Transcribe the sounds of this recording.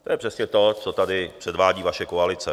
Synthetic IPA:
t̪ojɛpr̥ɛsɲɛt̪o̞t͡sot̪adɪpr̝̥ɛdvaːɟiːvaʃɛkoalɪt͡sɛ

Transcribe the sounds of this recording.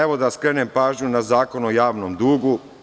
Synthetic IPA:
eʋo̞d̪askɾeːnempaːʒɲunazaːko̞nojaːʋnomd̪uːɡu

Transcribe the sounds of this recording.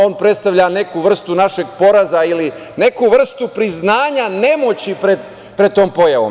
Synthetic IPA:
o̞ːnpɾet̪st̪aʋʎane̞kuʋr̩st̪unaʃe̞ɡpo̞ɾazaili | ne̞kuʋr̩st̪upɾiznaːɲane̞mo̞t͡ɕipɾed̪ | pɾed̪̚t̪o̞ːmpo̞jaʋo̞̰m

